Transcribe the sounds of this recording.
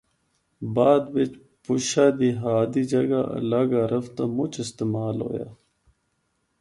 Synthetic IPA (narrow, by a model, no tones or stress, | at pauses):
baːd̪bet͡ʃ | puɕad̪iɦaːd̪id͡ʒɐɡaɐ̰laːɡaɾɐft̪amut͡ʃist̪emaːlo̰ːja̰